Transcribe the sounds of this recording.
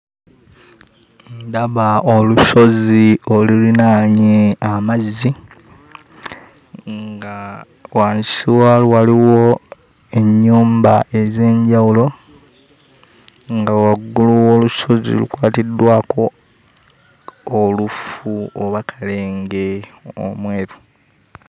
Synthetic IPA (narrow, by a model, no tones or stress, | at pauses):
ndaβaoluso̞ziolulinaːɲeamazːi | ŋɡa | waːnsiwalwaliwo | e̞ɲːuːmbaʔe̞ze̞ːɲɟawulo̞ | ŋɡawaɡuluwoːluso̞zḭlṵkwaːtidːwaːko̞ | olufuoβakʰale̞ːŋɡe̞o̰mweːɾu